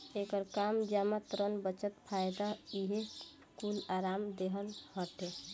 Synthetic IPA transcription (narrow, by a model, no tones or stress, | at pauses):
ekəɾkamd͡ʒamat̪ɾənbət͡ʃət̪pʰajd̪aiɦe | kulaɾamd̪eɦənhəʈe